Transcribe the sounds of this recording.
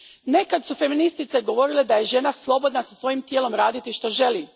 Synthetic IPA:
ne̞kat̪sufe̞minist̪it̪seɡo̞ʋo̞ɾiled̪aje̞ʒe̞naslˠo̞bo̞d̪nasasʋo̞jimt̪jeːlo̞mɾaːd̪it̪iʃt̪o̞ʒe̞liː

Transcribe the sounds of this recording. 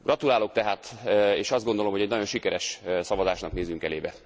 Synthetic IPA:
ɡ̥rɒt̪ulaːlok̚t̪ɛɦaːt̪eːʃɒzd̪ɡo̞nd̪o̞lo̞mhoɛɟnɒɟo̞nʃikɛɾɛʃsɒvɒzaːʃnɒkneːzyŋkɛleːbɛ

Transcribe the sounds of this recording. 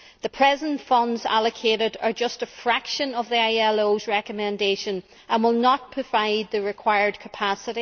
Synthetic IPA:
ðəpʰɹ̥ɛzə̃ntfʌ̃ndza̰lˠəkʰeɾɪdə˞d͡ʒʌstəfɹakʃə̃nəvðiaɪɛlˠozɹɛkəmɛ̃ndeʃə̃n | ʔə̃nwɪlˠnət̚pʰɹ̥əvaɪd̪̚ðəɹɪkʰw̥aɪə˞d̚kʰə̥pʰasəɾi

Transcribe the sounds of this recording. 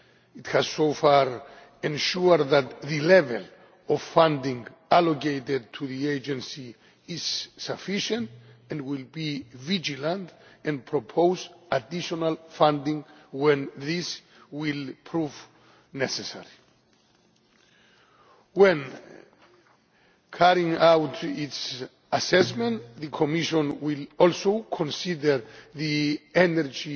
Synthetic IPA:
ithaz̥sofaɹ | ɛ̃nʃuɾðat̪ðɨlɛvɛ̰l | ɔv̥fãndĩŋɡ | alokejted̚tʰuðied͡ʒɛ̃nsiː | z̥ːafiʃə̃ntɛ̃ndwilbivid͡ʒilãntɛ̃n̚pʰɹopʰoʊzadiʃɔnalfãndĩŋwɛ̃nðis | wilpʰɹuv | nɛsɛsɛ̰ɹi | wɛ̃n | kʰaɹĩŋawtits | asɛsmɛ̃nðɨkʰɔmiʃɔ̃nwilɔlsokʰɔ̃nsidəɾðiɛnɛɹd͡ʒi

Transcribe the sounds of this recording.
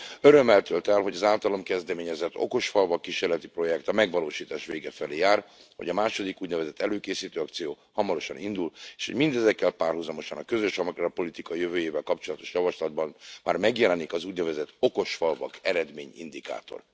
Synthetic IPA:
øɾø̞mːɛlt̪ølt̪ɛlɦo̞ɟɒzaːlt̪ɒlo̞mkɛzd̪ɛmeːɲɛzɛt̪ːo̞̰ko̞ʃfɒlvɒkːiʃeːrlɛt̪ipro̞jɛkt̪ɒmɛɡvɒloːʃiːt̪aːʃʋeːɡɛfɛleːjaːrhoɟɒmaːʃo̞d̪ikuːɟnɛvɛzɛt̪ːɛløːkeːsiːt̪øːɒkt̪sijoː | hɒmɒɾo̞ʃɒnind̪uleːʃhoɟmind̪ɛzɛkːɛlpaːrhɦuzɒmo̞ʃɒnɒkøzøʃɒmkrɒpo̞lit̪ikɒjøvøːjeːvɛlkɒpt͡ʃo̞lɒt̪o̞̥ʃjɒvɒʃlɒd̪̚bɒnma̰ːrmɛɡjɛlɛnikɒzuːɟnɛvɛzɛt̪o̞ko̞ʃfɒlvɒkɛɾɛd̪meːɲḭnd̪ika̰ːt̪o̞̰r

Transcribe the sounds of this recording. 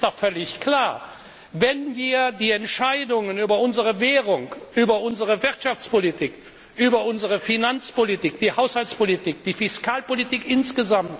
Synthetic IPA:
d̥ɔχfœlɪçkl̥aːɐ | vɛnviːɐdiːɛntʃaɪdʊŋənyːbɐʊnzəʁəvɛːʁʊŋʔyːbɐʔʊnzəʁəvɪʁtʃaft͡spolitʰiːk | ʔyːbɐʔʊnzəʁəfinant͡spolitiːkd̥iːhaʊshalt͡spolitʰiːk̚d̥iːfɪskʰaːlpolitiːkʔɪnsɡ̥əzamt

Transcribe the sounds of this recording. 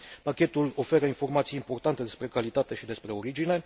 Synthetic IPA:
pakʲe̞t̪ulo̞fe̞ɾəinfo̞rmat̪sijimpo̞rt̪ant̪e̞d̪e̞spɾe̞kalit̪at̪e̞ʃid̪e̞spɾe̞o̞ɾid͡ʒine̞

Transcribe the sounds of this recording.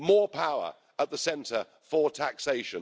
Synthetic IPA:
mɔːpʰaʊə̰ɹ | əʔ̪̚ðəsɛ̃ntʰə | fətʰækseɪʃə̃n

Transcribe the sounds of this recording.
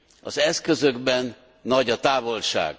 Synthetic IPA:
ɒ̰zɛskø̞zø̞ɡbɛnː | ɒɟɒt̪aːvo̞lʃa̰ːɡ

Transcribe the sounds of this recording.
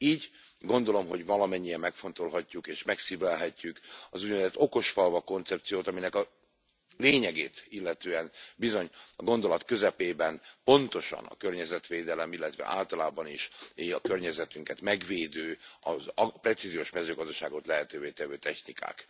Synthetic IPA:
iːɟ | ɡo̞nd̪o̞lo̞mɦo̞ɟvɒlɒmɛɲːijɛmːɛkfo̞nt̪o̞lɦɒcːukeːʃmɛksibɛlɦɛcːykɒzuɟ̪vɛzɛt̪o̞ko̞ʃfɒlvɒko̞nt̪sɛptsijoːt̪ɒminɛkɒ | leːɲɛɡeːt̪ilːɛt̪øːɛnbizo̞ɲɒɡo̞nd̪o̞lɒt̪kø̞zɛpeːbɛnpo̞nt̪o̞ʃɒ̰nɒ̰kørɲɛzɛt̪ʋeːd̪ɛlɛmilːɛt̪ʋɛ̰ʔa̰ːlt̪ɒlaːbɒniʃeɒkørɲɛzɛt̪yŋkɛt̪mɛɡveːd̪øːɒzprɛt̪sizijoːʃmɛzøːɡɒzd̪ɒʃaːɡo̞t̪lɛɦɛt̪øːveːt̪ɛvøːt̪ɛçnika̰ːk

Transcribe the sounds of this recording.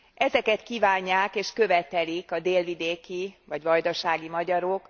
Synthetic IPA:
ʔɛzɛkɛt̪kiːvaːɲːaːkeːʃkø̞vɛt̪ɛlikɒd̪eːlvid̪eːkivɒɟʋɒjd̪oʃaːɡimɒɟɒɾok

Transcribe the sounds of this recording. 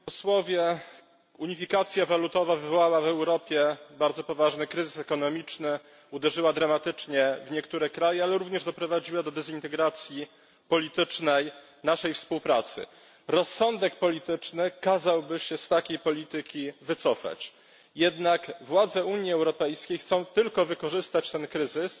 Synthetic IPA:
ɔswɔvʲjɛ | uɲifʲikat̪sʲjavalut̪ɔvavɘvɔwawavɛwɾɔpʲjɛbaɾd̪zɔpɔvaʐnɘkɾɘzɘsɛkɔnɔmʲit͡ʂnɘ | ud̪ɛʐɘwad̪ɾamat̪ɘt͡ʂɲɛvɲɛkt̪uɾɛkɾajɛalɛɾuvɲɛʐd̪ɔpɾɔvad͡ʑiwad̪ɔd̪ɛzint̪ɛɡɾat̪sʲji | pɔlʲit̪ɘt͡ʂnɛj | naʂɛjfspuwpɾat̪sɘ̰ | ɾɔsːɔnd̪ɛk̚pɔlʲit̪ɘt͡ʂnɘkazawbɘɕɛst̪akʲejpɔlʲit̪ɘkʲivɘt̪sɔfa̰t͡ɕ | jɛd̪nakvwad̪zɛuɲjiɛwɾɔpɛjskʲejxt̪sɔ̃w̃t̪ɘlkɔvɘkɔʐɘst̪at͡ɕt̪ɛnkɾɘzɘs

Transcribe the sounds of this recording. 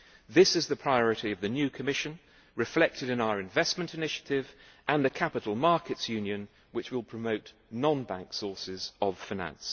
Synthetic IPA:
ðɪsɪzðəpʰɹ̥aɪɒɹɪtiəvðɨnjʉːkʰəmɪʃə̃n | ɹɪflɛk̚tʰɪɾɪ̃naʊəɹɨ̃ɱvɛsmə̃ntɪnɪʃə̥tʰɪvʔə̃nðəkʰapɪɾˡəl̩ˠmɑˑkɪtsjʉ̃njɨ̃n | wɪt͡ʃwɪlˠpʰɹ̥əməʊʔ | nɒ̃nbã̰ŋksɔˑsɪzəv̥faɪnæ̰̃ns

